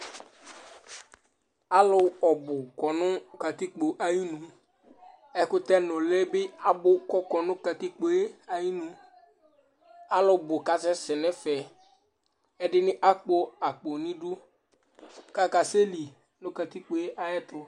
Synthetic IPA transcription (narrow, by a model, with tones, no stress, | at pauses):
a˦lʊ˦ɔ˨bʊ˨kɔ˨nʊ̃˦ka˨t̪i˦k͡po˨ʔa˨ji˦nũ˨ | ɛ˨kʊ˦t̪ɛ˦nʊ̃˨lɛ˦bɪ˦a˦bʊ˦kɔ˦kɔ˨nʊ̃˦ka˨t̪i˦k͡po˨˦e˦a˨ji˦nũ˨ | a˦lʊ˨bʊ˨ka˨sɛ˦sɛ˨nɛ˦fɛ˨ | ɛ˦dɪ˦nɪ˦ʔa˦k͡po˦a˨k͡po˨nĩ˦du˦ | ka˦ka˨se˦li˨ | nʊ̃˦ka˨t̪i˦k͡po˨e˦ʔa˨jɛ˦t̪ʊ˦